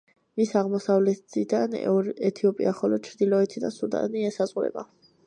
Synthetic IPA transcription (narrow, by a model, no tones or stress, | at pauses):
misaʁmɔsavlɛt̪id̪anɔɾɛt̪ʰiɔpʼḭaχɔlɔt͡ʃʰɾd̪ilɔɛt̪ʰid̪a̰nsuɾd̪a̰niɛsazʼʁuɾɛ̰ba